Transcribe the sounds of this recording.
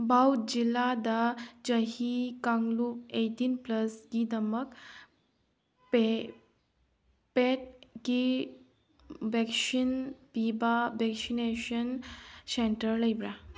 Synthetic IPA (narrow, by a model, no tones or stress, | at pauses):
bawd͡ʑilad̪ad͡ʑəɦikaŋɡlup̚eʈinpləsɡid̪əmək | pe | peʈ̚ki | ʋɛksinpibaʋɛksineɕənseɳʈəɾləjbɾa